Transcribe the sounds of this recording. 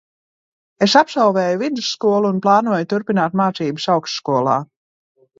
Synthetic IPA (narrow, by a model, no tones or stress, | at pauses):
esapsawvɛːjuvid̪usːkuɔlˠuːnplˠaːnuɔjut̪uɾpinaːt̪maːt̪siːbɨsawksskuɔlˠa̰ː